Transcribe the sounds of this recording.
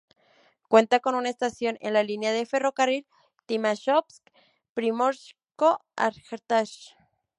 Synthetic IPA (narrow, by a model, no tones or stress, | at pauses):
kwent̪akonunaest̪asjonḛnlalineaðeferokaril | t̪imaʃopsk | pɾimoɾʃ | koa̰ɾxɾt̪aʃ